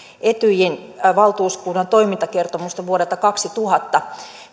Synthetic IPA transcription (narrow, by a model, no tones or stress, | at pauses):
ʔet̪yjen | ʋɑlt̪uːskuːdɑnt̪o̞imint̪ɑkert̪omust̪ɑʋuoɾelt̪ɑkɑksit̪uhɑt̪ːɑ